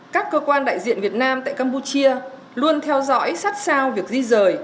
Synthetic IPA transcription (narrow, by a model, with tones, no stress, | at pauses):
kaː˦˥kːəː˧kwaː˧nɗa̰ː˧˨jzḭ˧˨ənvi˨˩ət̚naː˧mt̪a̰ː˧˨jkaː˧mpu˧t͡ɕi˧ə | lu˧ənt̪ʰɛ˧wzɔ̰˧˥jsa˦˥t̚saː˧wvi˨˩ək̚zi˧zəː˨˩j